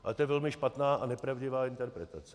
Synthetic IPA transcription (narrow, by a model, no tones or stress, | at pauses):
ʔa̰t̪ojɛvɛlmɪʃpat̪naːanɛpɾavɟɪvaːɪnt̪ɛɾpɾɛt̪at͡sɛ̥